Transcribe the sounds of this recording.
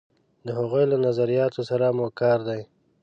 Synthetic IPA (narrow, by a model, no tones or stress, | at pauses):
d̪əɦaɣujlanazaɾijɑt̪osaɾamokɑɾd̪aj